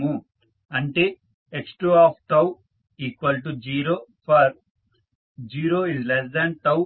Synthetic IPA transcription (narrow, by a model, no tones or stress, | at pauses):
u | ɐɳʈeː | eksʈɾoːaːfʈɐw | iːkʋɐlʈud͡ʒiːɾoːpʰɐɾ | d͡ʒiːɾoːizles̬d̪ɛ̃nʈɐw